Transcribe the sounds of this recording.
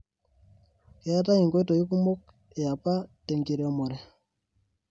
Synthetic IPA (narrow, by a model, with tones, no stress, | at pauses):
ke˨˦a˦ta˦ɲi˨ŋɡwto˨i˦ku˦mo˦k̚ | e˨ja˨pa˦te˨ŋɡi˨ɾe˨mo˨ɾe˨